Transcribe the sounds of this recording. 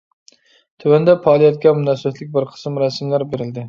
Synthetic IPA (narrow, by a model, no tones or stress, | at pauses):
t̪ʰʊwand̪apɒlˠijat̪̚kʲamʊnast̪lɪk̚ʲbɪɾqʰɨ̥smɾasmlaɾbeɾɪld̪ɪ